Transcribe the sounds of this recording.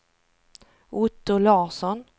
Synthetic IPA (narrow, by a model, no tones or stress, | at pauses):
ʔʊt̪ːʊlɑːsɔn